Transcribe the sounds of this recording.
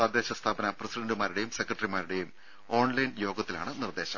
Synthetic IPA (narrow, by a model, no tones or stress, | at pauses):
sad̪jeːɕɐst̪ʰaːbɐnɐprɐsiɖɐɳɖumaːɾiɽe̞jumsekːrɐʈrimaːɾiɽe̞jum | o̞ːɳlɐjnjo̞ːɡɐt̪ːila̰ːɳɨnird̪e̞ːɕɐ̰m